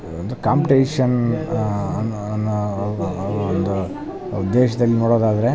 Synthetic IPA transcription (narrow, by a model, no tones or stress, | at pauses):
ond̪ukaːmpiʈeːʂɐn | ɐnː | ɐnːo | ond̪u | ud̪ːeːʃɐd̪ɐlːinoːɽoːd̪aːd̪ɐɾe̞